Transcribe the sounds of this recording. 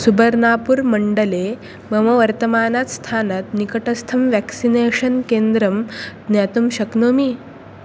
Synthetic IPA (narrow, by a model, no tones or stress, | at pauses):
subəɾnaːpuɾmɐɳɖəle | mɐmɐʋɐɾt̪əmaːnat̪st̪ʰaːnɐt̪nikɐʈɐst̪ʰɐmʋɛksineɕɐnkend̪ɾɐmd̪njat̪umɕɐknoːmi